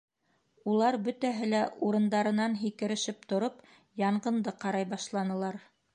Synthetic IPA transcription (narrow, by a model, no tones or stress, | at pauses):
ulˠɑɾbɵ̆t̪æɦɘlæʔuɾɤ̆nd̪ɑɾɤ̆nɑnɦikɘ̆ɾɘ̆ʃɘp̚t̪ŏɾop | jɑɴʁɤ̆nd̪ɤqɑɾɑjbɑʃlˠɑnɤ̆lˠɑɾ